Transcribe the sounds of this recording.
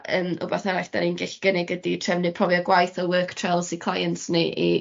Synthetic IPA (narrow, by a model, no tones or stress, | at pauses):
əːmʊ̰baθaɾaɬd̥aninɡɛɬi̥ɡ̥ənɪɡəditʰrɛvnɨpʰɔviɔɡwajθɔwəːkʰtʰrelˠsikʰlˠajəntnɨʔḭ